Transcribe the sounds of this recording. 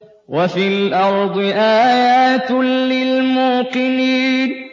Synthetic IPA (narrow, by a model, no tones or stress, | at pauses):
wafilʔɑɾˤd̪ˤɨʔaːjaːt̪lɪlmuːqɨniːn